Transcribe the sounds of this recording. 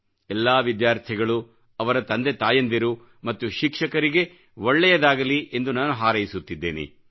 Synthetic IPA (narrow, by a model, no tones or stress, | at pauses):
ɛlːaːʋid̪jaːɾt̪ʰiɡɐɭu | ɐʋɐɾɐt̪ɐnd̪et̪aːjɐnd̪iɾu | mɐt̪ːuʃikʂɐkɐɾiɡe̞ | ʋɔɭːɛjɐd̪aːɡɐliʔe̞nd̪unaːnuɦaːɾɐjisut̪ːid̪ːeːnḭ